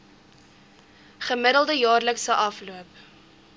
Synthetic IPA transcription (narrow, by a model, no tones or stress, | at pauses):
χəməɾəlˠdəjɑːrləksəʔɐfluəp